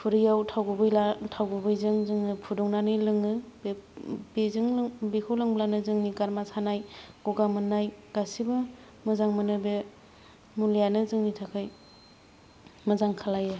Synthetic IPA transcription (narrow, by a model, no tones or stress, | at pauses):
pʰuɾijawtʰawɡubɯjlatʰawɡubɯjzɯŋzɯŋɯpʰudɔŋnanɯlɯŋɯbbezɯŋlbekʰawlɯŋblanɯzɯŋniɡaɾmasanajɡ̥ɔɡamɯnːajɡ̥asibɯ | mɯzaŋmɯnɯbe | mulijanɯzɯŋnitʰakʰaj | mazaŋkʰalajɯ